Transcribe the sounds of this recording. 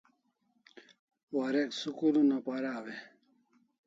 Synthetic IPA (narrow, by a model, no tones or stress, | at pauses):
waɾeksukulunapaɾawe